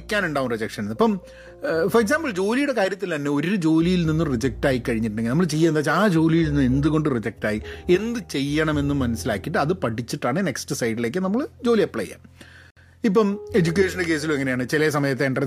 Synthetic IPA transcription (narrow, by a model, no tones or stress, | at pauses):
kʲːaːnuɳɖaːʋumrid͡ʑɐkʂɐnenːɐpːɐm | fɐreks̬aːmbɐɭd͡ʑo̞ːlijuɽe̞kaːɾjɐt̪ːilt̪ɐnːe̞o̞ɾud͡ʑo̞ːlijilninːumrid͡ʑek̚ʈaːjikːɐɻiɲːiʈ̬ːuɳɖeɡilnɐmːɐɭt͡ɕe̞jːaːend̪aːt͡ɕːaːd͡ʑo̞ːlijilninːue̞nd̪uɣo̞ɳɖɨrid͡ʑek̚ʈaːjie̞nd̪ɨt͡ɕe̞jːɐɳɐme̞nːumːɐnɐsila̰ːkːiʈːɨɐðɨpɐʈit͡ɕːiʈːaːɳɨne̞ksʈɨsɐjɖile̞ːk̬ːɨnɐmːɐɭd͡ʑo̞ːlijɐpːɭɐ̰jːa̰ | ip̬ːɐme̞d͡ʑuk̬ʲːe̞ːʂɐnɖɨk̬e̞ːs̬ilumeŋɐneaːɳɨt͡ɕilɐs̬ɐmɐjɐt̪̬ːe̞ːɳɖɐ